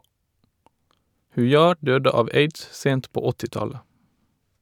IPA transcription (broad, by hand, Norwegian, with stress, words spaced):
hʉˈjɑː ˈɖøːdə ˈɑːʋ ˈeɪds ˈseːnt ˈpoː ˈɔtɪˌtɑlə